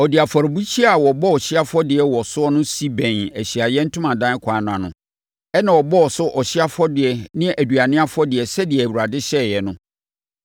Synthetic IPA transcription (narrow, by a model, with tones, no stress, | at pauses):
ɔ˨dɪ˨a˨fɔ˨ɾbu˦t͡ɕʰi˦a˨wɔ˨bɔ˦ɔ˨ɕɪ˦a˦fɔ˦dɪ˨ɛ˨wɔ˨sʊ˦ɔ˦nʊ̃˦si˦bɛ̃˨næ˨ɕi˨a˨jɛ˦n̩˦tʰʊ̃˦mã˨dã˦n˦kʷʰãː˨˦n˨ã˨nʊ̃˨ | ɛ˦nã˨wɔ˨bɔ˦ɔ˨sʊ˦ʔɔ˨ɕɪ˦a˦fɔ˦dɪ˨ɛ˨nɪ̃˦ɛ˦ʔæ˨du˨a˨nɪ̃˦a˦fʊ˦ɔ˦dɪ˨ɛ˨sɛ˦dɪ˨ɛ˨æ˨u˨ɾa˨dɪ˦ɕɛ˦˨jɛ˨nʊ̃˦